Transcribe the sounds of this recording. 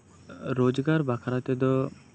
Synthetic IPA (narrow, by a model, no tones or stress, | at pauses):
ɾod͡ʒɡaɾbakʰaɾat̪ɛd̪ɔ